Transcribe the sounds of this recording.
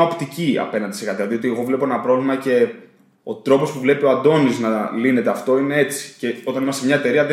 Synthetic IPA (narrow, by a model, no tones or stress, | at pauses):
opt̪iciɐ̰pe̞nɐnd̪iseɣɐt̪ilɐðio̞t̪ieɣo̞vle̞po̞e̞nɐpɾo̞vlimɐce̞ | o̞t̪ɾo̞po̞spuvle̞pio̞ɐd̪o̞niznɐline̞t̪e̞ɐft̪o̞ine̞e̞t͡si̥ce̞o̞t̪ɐnimɐsemɲɐe̞t̪e̞ɾiɐðe